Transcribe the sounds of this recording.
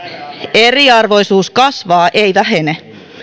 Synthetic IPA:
eriɑrʋo̞jsuːskɑsʋɑːʔejʋæɦene

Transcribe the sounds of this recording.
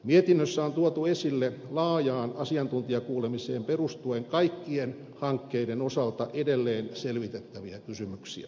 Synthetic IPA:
miet̪inːøsːæont̪uot̪uesilːelɑːjɑːnɑsiɑnt̪unt̪iɑkuːlemiseːmperust̪ueŋkɑikːien | hɑŋkːeidenosɑlt̪ɑʔedelːeːnselʋit̪et̪ːæʋiækysymyksḭæ̰

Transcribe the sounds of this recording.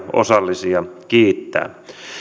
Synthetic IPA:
o̰sɑlːisiɑkiːt̪ːæ̰ː

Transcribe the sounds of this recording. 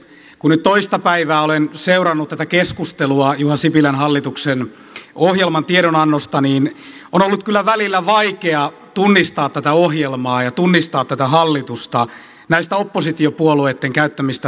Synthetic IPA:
kunnyt̪t̪oist̪ɑpæiʋæːolenseurɑnːut̪t̪æt̪ækeskust̪eluɑjuhɑsipilænhɑlːit̪uksen | ohjelmɑnt̪ieɾonɑnːost̪ɑniːn | onolːut̪̚kylːæʋælilːæʋɑikeɑ | t̪unːist̪ɑːt̪t̪ːæt̪æohjelmɑːjɑt̪unːist̪ɑːt̪t̪ːæt̪æɦɑlːit̪ust̪ɑ | næist̪æopːosit̪iopuoluet̪ːeŋkæyt̪ːæmist̪æ

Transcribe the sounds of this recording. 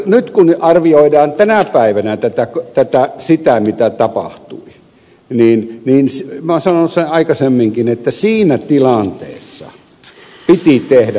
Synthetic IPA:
nyt̪kunʔɑrʋioidɑːnt̪ænæpæiʋænæt̪æt̪ækt̪æt̪æsit̪æmit̪æt̪ɑpɑ̰ht̪ṵi | niːnniːnsmæsɑnonsenɑikɑsemːiŋkinet̪ːæsiːnæt̪ilɑnt̪ḛːsːɑ̰ | pit̪it̪ehdæ

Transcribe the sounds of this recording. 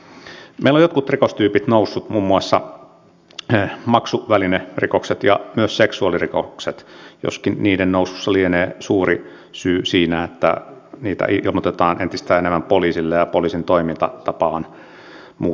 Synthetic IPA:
meilojot̪kut̪rikost̪yːpit̪nousːut̪mumːuɑsːɑ̰ | mɑksuʋælinerikokset̪jɑmyøsseksuɑliriko̰kset̪jo̰skinniːdennoususːɑlieneːsuːri | syːsiːnæet̪ːæ̰niːt̪æ̰ʔiilmot̪et̪ɑːnʔent̪ist̪æːenemːæmpoliːsilːejɑpoliːsint̪oimint̪ɑ̰t̪ɑpɑːn | muː

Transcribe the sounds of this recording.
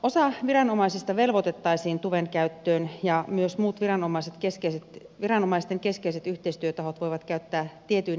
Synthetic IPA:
osɑʋirɑnomɑisist̪ɑʋelʋot̪et̪ːɑisiːnt̪uʋeŋkæyt̪ːøːnjɑmyøsmuːt̪ʋirɑnomɑiset̪keskeiset̪ | ʋirɑnomɑist̪eŋkeskeiset̪yht̪eist̪yøt̪ɑhot̪ʋojʋɑt̪kæyt̪ːæːt̪iet̪yin

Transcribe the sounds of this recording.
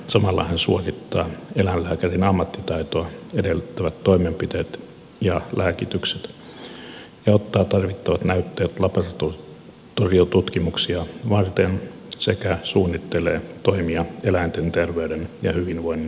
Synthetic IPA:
sɑmɑlːɑhænsuokit̪ːɑːelænlæːkærinɑmːɑt̪ːit̪ɑit̪oɑedelt̪ːæʋæt̪toimempit̪eːt̪ | jɑlæːkit̪ykset̪ | jɑot̪ːɑːt̪ɑrʋit̪ːɑʋɑt̪næyt̪ːeːt̪lɑpɑrt̪o | t̪oriot̪ut̪kimuksiɑʋɑrt̪en | sekæsuːnːit̪ːeleːt̪oimiɑelæint̪ent̪erʋeydenjɑhyʋinʋoinː

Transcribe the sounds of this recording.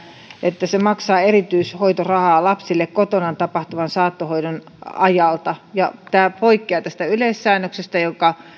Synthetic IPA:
et̪ːæsemɑksɑːerit̪yishoit̪orɑhɑːlɑpsilːekkot̪onɑnt̪ɑpɑht̪uʋɑnsɑːt̪ːohoidon | ɑjɑlt̪ɑjɑt̪æːpoikːiɑˑt̪æst̪æylesːæːnːøksest̪æjokɑ

